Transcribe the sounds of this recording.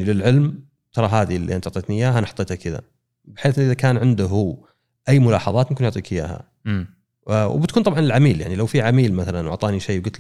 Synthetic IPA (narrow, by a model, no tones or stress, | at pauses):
jnilɪlʕɪlm | t̪ʰɑɾˤɑɦaːðilːḭʔant̪ʊʕt̪ˤeːt̪nijaːɦanħɑ̥t̪ːˤeːt̪hakɪða̰ | bɪħeːθʔːʔɪðakaːnʕɪnd̪ʊɦu | ʔajːmʊlɑ̰ːħɑðˤɑːt̪mɪmkːɪnjʊʕt̪ˤiːkɪja̰ːha̰ | wbɪt̪̚kuːnt̪ɑbʕɑnɪlʕamiːljaʕnilawfiʕamiːlmaθalanwʊ̰ʕt̪ˤɑːniʃeːwɡʊt̪l